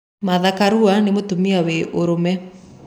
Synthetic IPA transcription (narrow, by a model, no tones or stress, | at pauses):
maðakaɾuanemotumiaweʔoɾomɛ